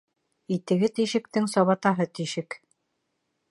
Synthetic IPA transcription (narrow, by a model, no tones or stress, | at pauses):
it̪ɘ̆ɡɘt̪iʃɘ̆k̚t̪ɘŋsɒβɑt̪ɑɦɤt̪iʃɘk